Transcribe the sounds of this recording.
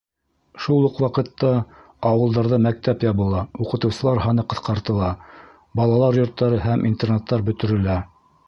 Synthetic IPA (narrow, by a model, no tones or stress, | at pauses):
ʃulˠːɤqwɑqɤ̆t̪ːɑ | ɑwɤ̆lˠd̪ɑɾðɤmæk̚t̪æpjɑβɤ̆lˠɑuqɤ̆t̪ɤ̆wsɤ̆lˠɑɾɦɑnɤqɤ̆θqɑɾt̪ɤ̆lˠɑ | bɑlˠɑlˠɑɾjŏɾt̪ːɑɾɤɦæmʔint̪ernet̪ːɑɾbɵ̆t̪ɵ̆ɾɘ̆læ